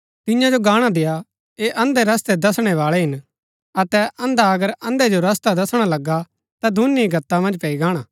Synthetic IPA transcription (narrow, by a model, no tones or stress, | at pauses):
t̪ɪjãd͡ʒoɡãːɽ̃ad̪eja | eʔɐ̃nd̪ɛɾɐst̪ɛd̪ɐsɽ̃ɛʋaːɭɛɦɪn | ɐt̪ɛʔɐ̃nd̪aɐɡəɾɐ̃nd̪ɛd͡ʒoɾɐst̪ad̪ɐsɽ̃alɐɡa | t̪ad̪ʱʊnːiɡɐt̪ːamɐ̃nd͡ʒpɛːiɡaːɽ̃aː